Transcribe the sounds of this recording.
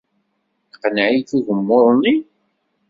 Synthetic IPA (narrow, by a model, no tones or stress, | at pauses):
θqənʕiθuʝəmːʊðˤni